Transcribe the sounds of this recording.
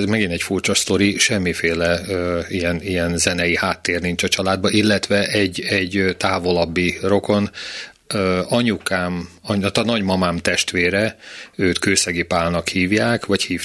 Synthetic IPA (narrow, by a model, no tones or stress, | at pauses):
zmɛɡinɛcfurt͡ʃɒst̪o̞ɾiʃɛmːifeːlɛøijɛnijɛnzɛnɛjihaːt̪ːeːrnint͡ʃɒt͡ʃɒlaːd̪̚bɒʔilːɛt̪ʋɛʔɛɟːɛɟːt̪aːvo̞lɒbːiro̞ko̞n | øɒɲukaːmɒɲt̪ɒnɒɟmɒmaːmt̪ɛʃt̪ʋeːɾɛøːt̪køːsɛɡipaːlnɒkhiːvjaːkʋɒchiːf